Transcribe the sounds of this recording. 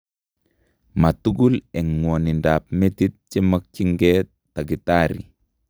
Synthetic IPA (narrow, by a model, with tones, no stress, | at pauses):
ma˨tu˦ɡu˦lɛ˨ŋŋo˨ni˨ndap̚meti˦t̚t͡ʃi˦ma˦k̚t͡ʃi˦ŋɡe | ta˨ɡi˨taɾḭ